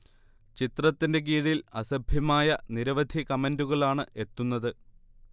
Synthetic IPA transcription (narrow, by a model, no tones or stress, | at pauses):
t͡ɕit̪rɐt̪ːinde̞ɡ̬iːɻilɐsɐbʱjɐmaːjɐniɾɐʋɐd̪ʱikɐmenduɣɐɭaːɳɨʔe̞t̪ːunːɐðɨ